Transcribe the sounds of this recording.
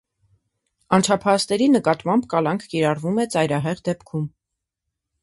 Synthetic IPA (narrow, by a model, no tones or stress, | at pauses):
ɑnt͡ʃʰɑpʰɑst̪ɛɾinəkɑt̪mɑmbkɑlɑŋkʰkiɾɑrvumɛt͡sɑjɾɑɦɛʁd̪ɛpkʰum